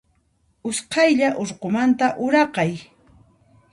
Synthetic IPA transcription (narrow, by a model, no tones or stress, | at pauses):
ʊsqɑjʎaʔʊɾqomant̪aʔʊɾɑqɑj